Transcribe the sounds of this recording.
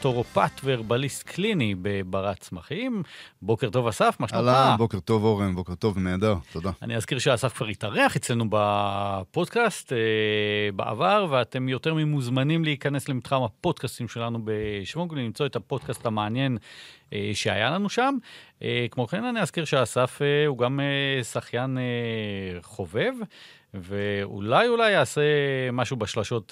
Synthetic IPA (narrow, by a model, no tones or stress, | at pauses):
toʁopatveːʁbalistkʰlinibebaʁatt͡smaχimbo̞keʁto̞vasafmaʃalabokeʁt̪o̞voʁembo̞keʁt̪o̞vneːd̪aʁt̪od̪aa̰niazkiʁʃeasafkvaʁitaʁeaχet͡sle̞nubapo̞dkasteba̰ʔa̰vaʁveate̞mjo̞teʁmemuzmanimleikane̞slemit̪χamhapo̞dkastimʃe̞lanube̞ʃvoɡllimt͡so̞ethapo̞dkastameanje̞n | eʃea̰jalanuʃamekmokenaniazkiʁʃeaːsafeuɡamesaχjane | χo̞ve̞v | veṵlajulajaːse̞maʃubeʃlaʃo̞t